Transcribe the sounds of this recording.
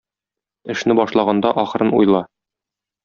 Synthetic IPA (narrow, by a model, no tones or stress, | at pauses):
ɘ̆ʃnɘbɒʃlˠɑʁɑnd̪ɑʔɒχɤ̆ɾɤnṵjlˠɑ